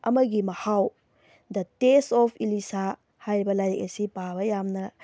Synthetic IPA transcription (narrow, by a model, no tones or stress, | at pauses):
ɐ̰mɐɡimɐhaw | dɐtesɔpʰilisa | hajɾibɐlajɾek̚ɐsipaβɐjamnɐ